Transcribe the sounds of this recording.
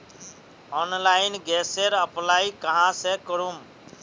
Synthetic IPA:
ɔːnlaːɪnɡɛːseɾəplaːikəɦãːsekəɾuːm

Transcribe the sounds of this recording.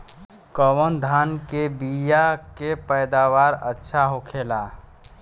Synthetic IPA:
kɔːwənd̪ʱaːnkebijakepɛɪd̪aːwaːɾətːʃʰaɦokʰeːla

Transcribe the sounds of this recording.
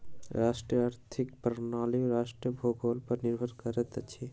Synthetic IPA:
ɾaːʃʈɾiaɾt̪ʰikpɾnaːliɾaːʃʈɾiəbʱoːɡʱoːlpɐɾniɾbʱəɾkəɾət̪t͡ʃʰi

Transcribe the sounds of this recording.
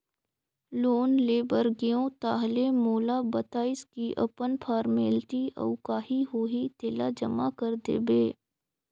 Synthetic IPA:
loːnleːbəɾɡeõt̪aːɦlemoːlabɐt̪aːɪskiʔɐ̰pənpʰaːɾmeːlʈiʔɐ̰ʊkaːɦiɦoːɦit̪eːlad͡ʒɐmakəɾd̪ḛːbeː

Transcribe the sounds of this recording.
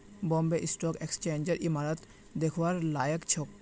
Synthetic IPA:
bɔmbeʔisʈɔkekst͡ɕend͡ʑeɾʔimaɾat̪ | d̪ekʰoaɾlajekt͡ɕʰok

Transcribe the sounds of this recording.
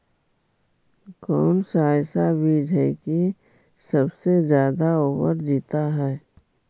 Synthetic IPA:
kɔːnsaːjsabiːd͡ʒʱɛki | səbsezjaːd̪aoːbə̰ɾd͡ʒiːt̪aɦɛː

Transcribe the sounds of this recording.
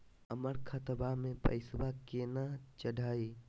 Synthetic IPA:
əməɾkʰat̪əbaɦmẽpə̰ɪsbakenat͡ʃəɖʱaːi

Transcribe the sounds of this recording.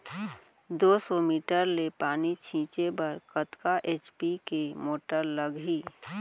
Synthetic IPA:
d̪oːsɔmiːʈəɾlepaːnit͡ʃʰĩːt͡ʃebɐɾkət̪kaʔeːt͡ʃpikemoːʈəɾləɡɦiː

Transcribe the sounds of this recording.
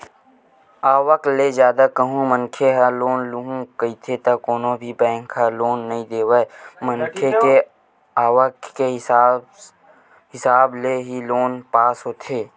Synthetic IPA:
aːwəklezjaːd̪akəɦũmə̃nkʰeɦaloːnlʊɦũkəit̪ʰet̪ɐkoːnõbʱibɛ̃ːŋkʰɦaloːnːɐɦĩd̪eːwəmənkʰeke | aːwəkke | ɦɪsaːbleɦiloːnpaːsɦoːt̪ʰeː

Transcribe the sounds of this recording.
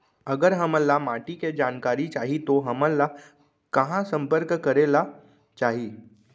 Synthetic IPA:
əɡəɾɦəmə̃lamaːʈiked͡ʒaːnkaːɾit͡ʃaːɦit̪oɦəmə̃la | kɐɦãsə̃mpəɾkkəɾeːla | t͡ʃaːɦiː

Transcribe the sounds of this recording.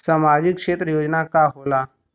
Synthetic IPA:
saːmaːd͡ʒɪkːʃeːt̪ɾəjoːd͡ʒnakaɦoːlaː

